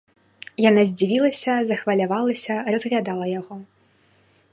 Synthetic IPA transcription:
janazʲd͡zʲivʲilˠɐsʲɐzɐxvɐlʲavalˠɐsʲɐrɐzɣlʲad̪alˠɐjaɣɔ

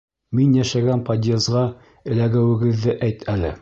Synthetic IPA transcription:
minjæʃæɡænpɐd̪ʲezʁɑ | ɘ̆læɡæwɘ̆ɡɘ̆ðːɘʔæjt̪ʰælɘ̰

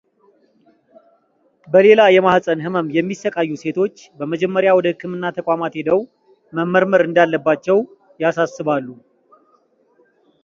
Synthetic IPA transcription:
bəle̞lajɛmahsʼənɦɨməmjɛmːisːəkʼajːuse̞t̪ʰo̞t͡ʃːbəməd͡ʒɛmːəɾjawɔd̪əhɨkʰːɨmɨnːat̪ʰəkʼamat̪hed̪əw | məmːəɾməɾɨnd̪alːəbːat͡ʃːɛw | jasasːɨβalːu

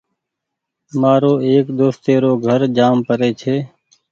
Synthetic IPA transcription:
maːɾoːeːkd̪oːst̪eːɾoːɡʱəɾd͡ʒaːmpəɾeːt͡ʃʰeː

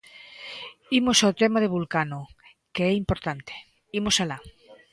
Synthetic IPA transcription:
imosawt̪ɛmaðeβulkano | keɛimpoɾt̪ant̪e̥ | imosala

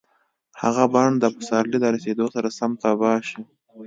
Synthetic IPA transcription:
ha̰ɣabɑɳd̪əpəsɑɾlid̪əɾased̪osaɾasamt̪abɑʃi

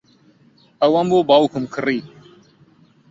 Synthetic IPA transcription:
awambobɑwkʊmkʰɨriː

